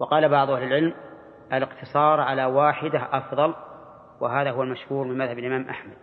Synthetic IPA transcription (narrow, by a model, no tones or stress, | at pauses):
wɑqɑːlabɑʕðˤʔahlɪlʕɪlm | ʔalɪqt̪ʰɨsˤɑːɾˤʕalawaːħɪd̪aɦʔɑfðˤɑl | wɪɦaːðahʊwalmaʃhuːɾmɪnmaðhabalʔɪmaːmʔa̰ħmad̪̥̚